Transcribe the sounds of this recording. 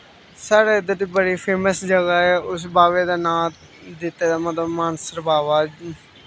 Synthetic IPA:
saːɾeːɪd̪əd̪iːbəɽiːpʰeːməsd͡ʒəɡaːɛːʊsbaːʋeːd̪aːnãː | d̪ɪt̪ːeːd̪aːmət̪ləbmaːnsəɾbaːʋaː

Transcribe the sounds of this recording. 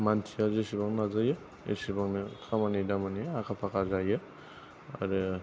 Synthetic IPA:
mantʰiazesibaŋnazajɯ | ḛsibaŋnɯkʰamanidamaniakʰapʰakazajɯ | a̰ɾe

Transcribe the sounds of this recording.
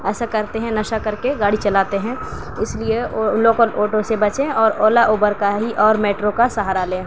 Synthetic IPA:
ɛːsakɐɾt̪eɦɛ̃nɐʃakɐɾkeɡaːɽit͡ʃɐlaːt̪eɦɛ̃ | ɪslieloːkəloːʈosebɐt͡ʃẽɔːɾoːlaʔuːbəɾkaɦiʔɔːɾmeːʈɾokasɐɦaːɾalẽː

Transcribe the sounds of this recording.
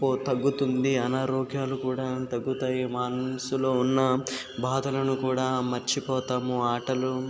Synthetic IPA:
poːt̪ɐɡːut̪und̪iɐnaːɾɔːɡjaːlukuːɽaːt̪ɐɡːut̪aːjimaːnɐsulo̞ːunːɐ | bʱaːd̪ɐlɐnukuːɽaːmɐɾt͡ʃipɔːt̪aːmuaːʈɐlu

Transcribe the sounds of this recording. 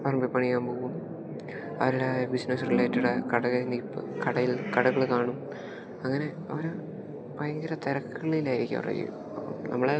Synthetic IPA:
pɐrmbipːɐɳiːaːnpoːʋum | ɐ̰ʋɐɾɐlabisnɐsrilaːjitːuɽɐkɐɽɐɣɐnipːɨ̰kɐɽɐjilkɐɽɐɣɐɭkaːɳum | ɐŋːɐne̞ | ɐ̰ʋɐɾ | pɐjɐŋɡɐɾɐt̪eɾɐkːɐɭilaːjiɾikʲːɐ̰ʋ̰rɐ̰jḭ | ɐpːɐ̰mnɐ̰mːɐɭe

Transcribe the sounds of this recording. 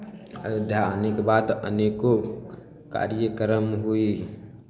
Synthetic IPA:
ə̰d̪ʱjaənekbat̪ə̰neko | ka̰ɾjəkəɾəmɦui

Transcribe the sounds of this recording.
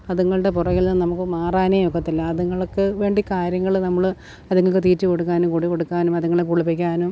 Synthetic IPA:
ɐðuŋːɐɭɖepurɐɣilnɨnɐmukːɨmaːraːneːjokɐt̪ːilːɐːðuŋːɐɭokːɨʋe̞ːɳɖikaːɾjɐŋːɐɭnɐmːɐɭ | ɐðuŋːɐɭkːɨt̪iːtːɨko̞ɽuk̬ːaːnumkoɽiko̞ɽukːaːnumɐðuŋːɐɭekuɭupːikʲːaːnum

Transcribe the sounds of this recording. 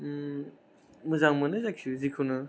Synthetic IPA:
mɯzaŋmɯnɯzakʰuzikʰunɯ

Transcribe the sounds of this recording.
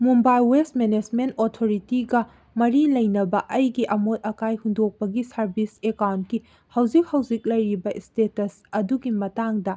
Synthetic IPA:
mumbajlwestmened͡ʒmentotʰoɾitiɡɐ | mɐɾilɐjnɐbɐʔɐjɡiʔɐmot̚ɐkajhundok̚pɐɡisɐɾbisekawnt̚ki | hɐwzik̚hɐwzik̚lɐjɾibɐʔstetɐs | ɐduɡimɐtaŋdɐ

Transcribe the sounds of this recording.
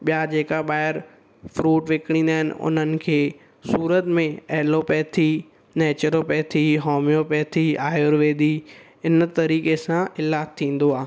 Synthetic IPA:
ɓijad͡ʑeːkaɓaːɪɾ | fɾuːʈʋɪkɽ̃ĩːn̆d̪aːɦɪnɪ̰ʊ̰n̤ənɪ̆kʰeː | suːɾət̪mẽɐɦlopɛːt̪ʰi | neːt͡ɕəɾopɛːt̪ʰiɦoːmjopɛːt̪ʰiaːjoɾʋeːd̪i | ɪn̆t̪ɐɾiːkesãɪlaːt̪ʰːĩːn̆d̪oaːɦ

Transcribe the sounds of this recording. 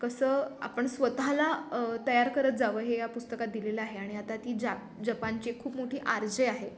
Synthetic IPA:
kəsəːa̰pəɳsʋət̪alat̪əjaɾkəɾət̪̚d͡zaʋəɦejapust̪əkat̪̚d̪ileləaɦeaɽ̃iat̪at̪iːd͡ʑa | d͡ʑəpaɲt͡ɕekʰuːpmoʈʰiːʔaɾd͡ʑeaɦe

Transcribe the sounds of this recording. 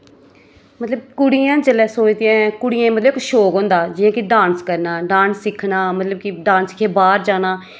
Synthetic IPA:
mət̪ləb̚kʊɽijãːt͡ʃəlɛːsoːt͡ʃd̪ɪãːkʊɽɪjãːmət̪ləbɪkʃoːkõːnd̪aːd͡ʒɪjãːkiɖãːnskəɾnaːɖãːnsːɪkʰnaːmət̪ləb̚kɪɖãːnsɪ̥kʰeːbaːɾd͡ʒaːnaː

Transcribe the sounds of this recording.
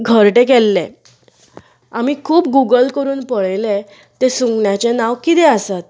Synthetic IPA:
ɡʱəɾʈẽk̬ɛlːẽ | amiːkʰuːpɡuɡəlkəɾuːnpəɭle | t̪esũŋɡɳjat͡ɕenaʋkit̪ɛəsat̪̚

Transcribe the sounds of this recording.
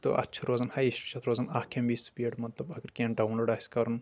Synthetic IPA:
t̪o̰ʔɐ̰tːt͡ʃʰɐɾoːzɐnhɐjiʃt͡ʃʰɐt̪ʰɾoːzɐnaːhkʰembiːspiːɽmɐt̪lɐbɐɡəɾkẽːnɖɐwnlɐɖaːskɐɾɐn

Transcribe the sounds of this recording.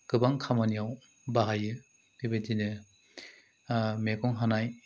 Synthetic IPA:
ɡɯbaŋkʰamanijaw | baɦajɯ | debetinɯ | mekɔŋɦanaj

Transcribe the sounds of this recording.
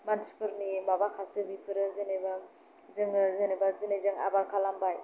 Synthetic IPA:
manspʰɯɾnibabakʰasɯbipʰɯɾɯzɯneba | zɯŋɯzɯnebazɯnezɯŋa̰baɾkʰalambaj

